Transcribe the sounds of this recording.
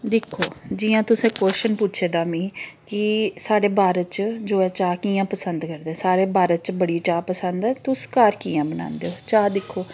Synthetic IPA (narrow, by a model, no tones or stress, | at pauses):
d̪ɪkʰːoːd͡ʒiːãːt̪ʊsẽːkwɛːʃənpʊtːʃʰeːd̪aːmĩːkɪsaːɽeːbaːɾətt͡ʃd͡ʒoːɛːt͡ʃaːkiːjãːpəsənd̪kəɾd̪eɛ̃ːsaːɾeːbaːɾət̪t͡ʃbəɽiːt͡ʃaːpəsənd̪ɛːt̪ʊskaːɾkiːãːbəna̰ːnd̪eːoːt͡ʃaːd̪ɪkʰːoː